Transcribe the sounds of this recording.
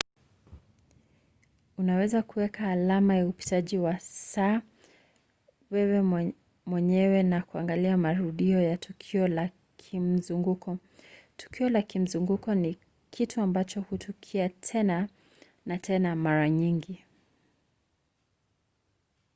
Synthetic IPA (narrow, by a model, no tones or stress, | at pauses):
unawɛzakuwɛkaːlamajaupi̥taʄiwasaː | wɛwɛ | mwɛɲɛwɛnakuaŋɡaliamaɾuɗiɔjatʰukʰiɔla | kʰim̩zuŋɡukɔ | tu̥kiɔlakim̩zuŋɡukɔni | kʰitʰuambat͡ʃɔhutʰukʰiatʰɛna | natʰɛnamaɾaɲiŋɡi